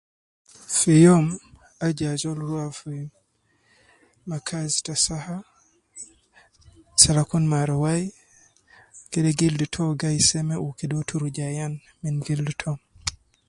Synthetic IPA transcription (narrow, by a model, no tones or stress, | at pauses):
fijɔm | ad͡ʒazɔlɾwafuj | makʰazi̥tasaha | salakunmaɾɔwaj | kɛdɛɡildutʰɔɡajsɛmɛʔukɛdɔtʰuɾud͡ʒajan | minɡildutʰɔm